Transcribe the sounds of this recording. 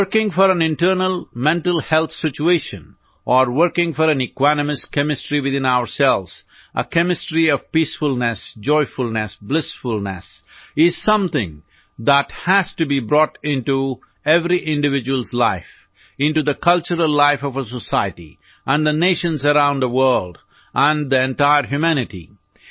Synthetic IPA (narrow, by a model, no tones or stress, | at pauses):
əɾkɪ̃ŋfɔɾæ̃nɪ̃nʈəːnəlˠmɛ̃nʈəlˠhɛlˠt̪sɪt͡ʃueʃə̰̃n | ʔɔɾwəɾkɪ̃ŋfɔɾæ̃nɨkwænəmɨskɛ̃mɪsʈɾiwɪðɪ̃naʊəɾsɛlʋz̥ | ʔə̰kɛ̃mɪsʈɾiʌv̥piːsfʊlnɛsd͡ʒɔɪfʊlnɛsblɪsfʊlˠnɛ̰sɪz̥sʌ̃mt̪ɪ̰̃ŋ | d̪æthæz̥tubibɾɔʈɪ̃nʈu | ɛvɾiʔɪ̃nɖɨvɪd͡ʒwəlˠzlaɪf | ɪ̃nʈud̪əkʰʌlt͡ʃəɾəllaɪfɔvəsəsaɪəʈḭ | ʔæ̃nd̪əneɪʃə̃nzəɾãʊ̃nd̪əwɜ˞lɖ | ʔə̃nd̪iɛ̃nʈaɪəɾɦjumænɪʈḭ